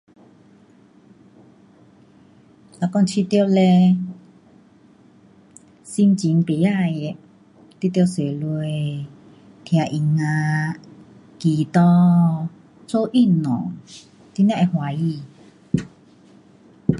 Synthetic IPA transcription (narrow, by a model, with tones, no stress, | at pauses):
la˧˨kɔ˧t͡ɕʰi˧t̪jo˧˨le˧ | si˧mt͡ɕi˨˦ŋpe˨˦a˧˨je˧ | t̪i˧˦t̪jo˧˨se˨lu˧e˧ | t̪ʰja˨˧˨ʔi˧˩ŋã˧ | kiː˨˩t̪ɔ˧ | t͡so˦ʔi˧˨nɔ̰̃˨ | t̪i˦nj̃ã˦˧ʔe˧hwa˨˦ji˧˨